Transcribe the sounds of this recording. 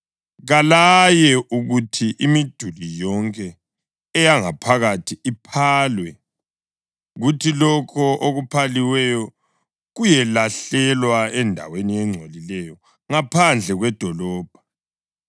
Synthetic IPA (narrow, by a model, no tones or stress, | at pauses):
ɣalajɛʔuɣutʰiʔimid̥ʱulijɔŋkʼɛː | jaŋapʰaɣatʰiipʰaːlwɛ | ɣutʰilɔkʰɔʔoɣupʰaliwɛjɔ | ɣujɛlaɬɛlwaɛndʱa̰wenijɛŋ͡ǀʱolilɛjɔ | ŋapʰand͡ɮʱɛɣwɛd̥ʱɔlɔːb̥ʱa